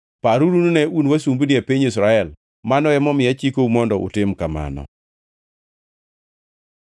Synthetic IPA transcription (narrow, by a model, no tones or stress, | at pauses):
paɾuɾununɛunwasumbniapiɲis̬ɾaɛl | manɔɛmɔmɪjat͡ʃikoumɔndɔʔʊ̰tɪmkama̰nɔ̰